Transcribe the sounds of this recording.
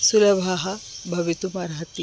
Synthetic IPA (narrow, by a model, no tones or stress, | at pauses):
sulɐbʱaɦɐbʱɐʋit̪umɐɾat̪i